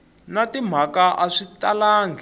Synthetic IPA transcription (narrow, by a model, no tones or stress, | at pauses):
natim̤akaʔaʂitalaːŋɡ